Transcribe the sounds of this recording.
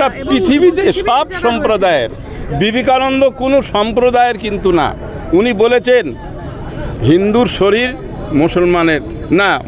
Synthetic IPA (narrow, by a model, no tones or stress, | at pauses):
apɾit̪ʰibit̪eʃɔbʃɔmpɾod̪aeɾ | bibikanond̪okonoʃɔmpɾod̪aeɾkint̪una̰ | unibolet͡ɕʰen | ɦind̪uɾʃoɾiɾ | musolmaneɾ | na